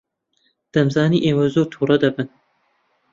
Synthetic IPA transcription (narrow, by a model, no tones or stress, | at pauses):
d̪̥ɐmzɑːniːʔeːwɐzoːt̪ʰuːɾɐd̪ɐbɨn